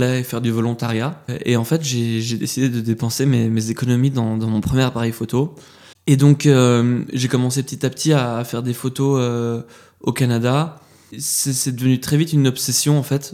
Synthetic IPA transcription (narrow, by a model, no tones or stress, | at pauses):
lɛefɛʁd̪yvɔlɔ̃t̪aʁjaḛɑ̃fɛt̪ʒeʒed̪esid̪ed̪əd̪epɑ̃sememezekɔnɔmid̪ɑ̃d̪ɑ̃mɔ̃pχəmjɛʁpaʁɛjfot̪o | ed̪ɔ̃køʒekɔmɑ̃sepət̪it̪apə̥t̪ʰiaːfɛʁd̪efot̪oø | okanad̪a | sɛsɛd̪əvənyt̪χɛvit̪ynɔpsesjɔ̃ɑ̃fɛt̪